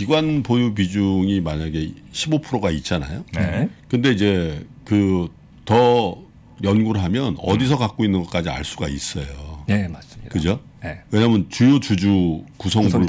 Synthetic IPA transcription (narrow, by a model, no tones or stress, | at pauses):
kiɡwanbojubid͡ʑuŋimaɲaɡe̞ɕʰibopʰɯɾoɡait̚t͡ɕ͈ana̰jokɯnde̞id͡ʑe̞kɯ | tʌ | jʌnɡuɾɯɭɦamjʌnʌ̰disʰʌkak͈oinːɯnɡʌk͈ad͡ʑia̰ɭs͈uɡais͈ʌjoskɯd͡ʑo | we̞ɲaɦamɯnt͡ɕujot͡ɕud͡ʑukusʰʌŋbuɭ